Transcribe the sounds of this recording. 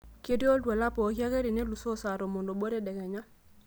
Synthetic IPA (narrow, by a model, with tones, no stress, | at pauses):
ke˦djo˦dwɛ˨la˦pɔ˨˦kja˦ɣe˦ɾi˨ne˦lu˨so˦˨sa˨ɾo˨mo˨ndo˨ɓo˦ɾe˦˨dɛ˨kɛ˨ɲa˦